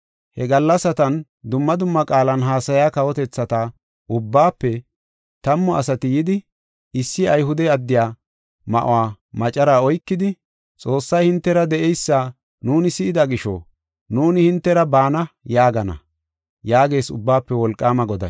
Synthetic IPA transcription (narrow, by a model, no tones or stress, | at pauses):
hɛɡɐlːɐsɐt̪ɐn | d̪ʊmːɐd̪ʊmːɐkʼaːlɐnɦaːsɐjaːkɐwɔt̪ɛt͡sːɐt̪a | ʔʊbːaːpːɛ | t̪ɐmːɔɐsɐt̪ɪjɪd̪ɪ | ɪsːɪɐjhʊd̪ɛɐd̪ːɪjaː | mɐ̰ʔʊ̰waː | mɐt͡ʃʼɐɾaːɔjkːɪd̪ɪ | t͡sʼo̞ːsːɐjhɪnt̪ːɛɾɐd̪ɛʔɛjsːaː | nuːnɪsɪʔɪd̪ɐɡɪʃo̰ | nuːnɪhɪnt̪ːɛɾɐbaːnɐjaːɡɐnɐ̰ | jaːɡe̞ːsʊ̰bːaːpːɛwɔlkʼːaːmɐɡɔd̪ɐ̰